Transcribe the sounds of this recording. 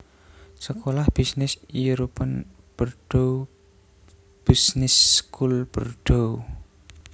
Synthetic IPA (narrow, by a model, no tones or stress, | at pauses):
səkolahb̥isnɪsiɾupən | b̥ərɖ̥ow | b̥isnɪsːkulb̥ərɖ̥o